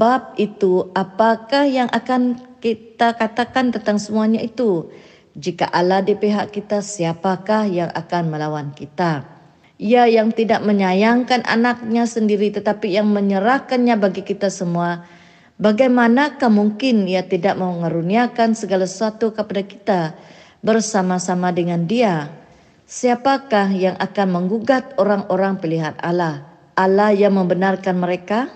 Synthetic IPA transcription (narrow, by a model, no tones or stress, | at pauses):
bap̚it̪uapakahjaŋʔakankit̪akat̪akant̪ənt̪aŋsəmuaɲait̪u | d͡ʒika̰ʔaladipeɦaʔkit̪asiapakahjaŋʔa̰kanməlawankit̪a | iajaŋt̪idaʔ̚məɲajaŋkanʔa̰nak̚ɲasəndiɾit̪ət̪apijaŋməɲəɾahkanɲabaɡikit̪asəmua | baɡajmanakahmuŋkɪniat̪idaʔ̚məŋaɾuniakansəɡalasəsuat̪ukəpadaki̥t̪a | bərsamasamadəŋandia | siapakahjaŋʔakanməŋɡuɡat̪̚oɾaŋoɾaŋpiliɦat̪̚a̰lah | ʔalahjaŋməmbənarkanməɾeka